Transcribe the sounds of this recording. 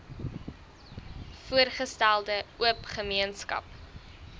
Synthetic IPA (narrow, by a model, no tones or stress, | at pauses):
fuərχəstælˠdəuəpχəmiənskɐ̰p